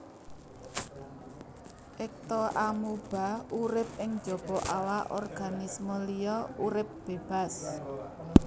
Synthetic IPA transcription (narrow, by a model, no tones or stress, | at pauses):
ʔɪk̚t̪ɔʔamub̥a̤uɾɪp̚ɪŋd̥d͡ʒ̥ɔ̤b̥ɔʔawaʔɔrɡ̥anisməlijɔuɾɪp̚b̥eb̥a̤s